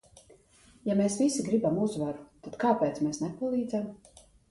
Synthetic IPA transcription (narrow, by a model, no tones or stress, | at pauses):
jameːsvisiɡɾibamuzvaɾu̥t̪at̪kaːpɛːt̪smeːsnɛpalˠiːd̪zam